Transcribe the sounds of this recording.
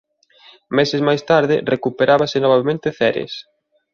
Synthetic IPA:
mesɪzmajst̪aɾðɪrʔekupeɾaβasɪnoβaβemẽnt̪ɪθɛɾḛs

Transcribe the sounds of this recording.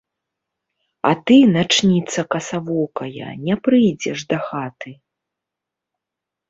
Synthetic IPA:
ɐ̰t̪ɨnat͡ʂnʲit̪sɐkɐsavɔkɐjɐ̰nʲɛpɾɨjd͡zʲɛʂd̪ɐxat̪ɨ

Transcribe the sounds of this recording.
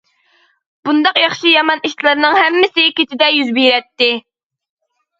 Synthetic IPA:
b̥und̪ɑqjɑχʃijɑmɑniʃt̪lˠɨɾnɨŋhɛmːɪsɪkʲet̪ʰɪd̪ɛjyzbijɾɛt̪ːɪ

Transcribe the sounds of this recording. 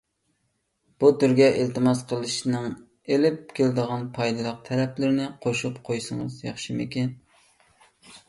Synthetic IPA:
b̥ut̪uɾɡʲɛʔelt̪ɨmɑsqʰəlˠɨʃnɨŋ | elɪp̚kʲʰelɪd̪əʁɑnpʰɑjd̪ɨlˠəq̚t̪ʰɛɾɛplɪɾnɪqʰoʃupqʰojsɨŋɨzjɑχʃɨmɪkʲɛn

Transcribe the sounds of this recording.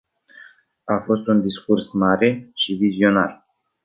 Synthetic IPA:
afo̞st̪und̪iskursmaɾe̞ʃivizio̞na̰r

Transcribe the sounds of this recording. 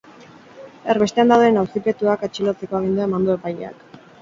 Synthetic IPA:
eɾβe̞t̪e̞and̪awðenawsipe̞t̪uakat͡ʃilot͡seko̞aɣ̞ind̪uaemand̪oe̞paʎḛa̰k

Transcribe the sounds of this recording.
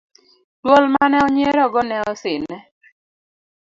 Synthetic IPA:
dwɔlmanɛɔɲeɾɔɡɔnɛɔsɪnɛ

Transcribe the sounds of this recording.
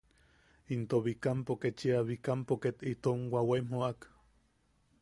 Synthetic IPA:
int̪oβikampoket͡ʃiaβikampoket̪it̪oŋwaweimoak

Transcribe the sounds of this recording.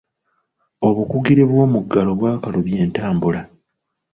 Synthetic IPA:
o̞βukuɡiɾiβwo̞ːmuɡːalo̞βwaːkaloβje̞ːntaːmbula

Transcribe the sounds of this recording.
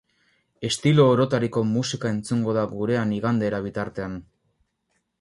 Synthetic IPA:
e̞st̪ilo̞ːɾo̞t̪aɾiko̞musikae̞nt͡suŋɡo̞ðaɡuɾe̞aniɣand̪e̞ɾaβ̞it̪aɾt̪e̞an

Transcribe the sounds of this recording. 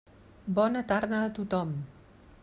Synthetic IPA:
bɔnət̪aɾðəːt̪ut̪ɔm

